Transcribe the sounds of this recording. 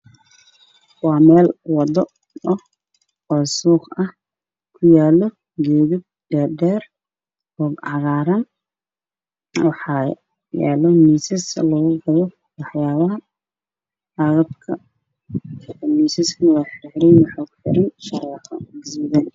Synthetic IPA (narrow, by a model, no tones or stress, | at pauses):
wɑːmɛːlwɑd̪ɔ | ɔh | ɔːsuːχɐh | kʰʊjaːlɔ | ɡɛːðɪb̚dɛːdɛːr | hɔːɡʕɑɣaːɾɐn | wɑħɑ | ja̰ːlɔmiːsɪslɔɣʊɡɐjɔ | wɑħjaːβɐɦɐ | ɑɣɐb̚kʰɐ | miːsɪskʰiwɑːħɪʕɾɛjwħɔːɡħɪ̰ɾɪnʃɐɾɛːqɐ̰mɐziːðɐn